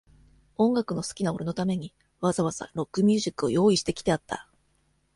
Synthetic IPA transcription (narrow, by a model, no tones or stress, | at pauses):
õ̞ŋɡakɯ̟no̞sɨ̥kʲinaoɾɯno̞t̪ame̞ɲ̟i | βazaβaz̥a̰ɾo̞kːɯ̟mʲɨːʑikːɯ̟o̞̰jo̞ːiɕi̥t̪e̞kʲi̥t̪e̞at̪ːa̰